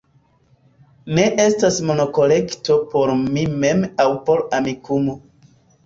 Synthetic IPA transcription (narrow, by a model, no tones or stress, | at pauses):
neʔe̞stasmo̞no̞ko̞le̞kto̞poɾmime̞mawpo̞ɾamikumo